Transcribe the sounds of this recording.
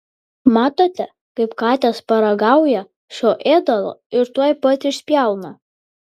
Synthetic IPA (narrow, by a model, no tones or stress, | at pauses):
mɑːt̪oːt̪ʲɛ | kɐɪpkɑːt̪ʲɛspɐɾɐɡɑʊjɛ | ʃoːʔeːd̪ɐlˠo̰ɪɾt̪uɔjpɐt̪ʲɪʃsʲpʲjæˑlˠnɐ